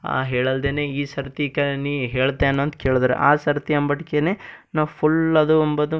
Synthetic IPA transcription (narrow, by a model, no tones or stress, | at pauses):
a̰ɦeːɭɐld̪eːne̞ːiːsɐɾt̪ikɐniːɦeːɭt̪ːeɐnːoːɐnt̪keːɭud̪ɐɾḛʔaːsɐɾt̪iɐmbɐʈikene̞ːnaʋpʰulɐd̪uombɐd̪u